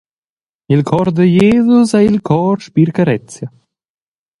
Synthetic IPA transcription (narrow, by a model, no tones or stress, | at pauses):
ilkʰɔɾd̪əjeːzusailkʰɔːɾʃpiɾkaɾɛt͡sja